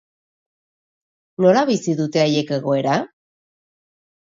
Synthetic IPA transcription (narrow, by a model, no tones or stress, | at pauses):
no̞ɾaβisiðut̪e̞aje̞ke̞ɣ̞o̞e̞ɾa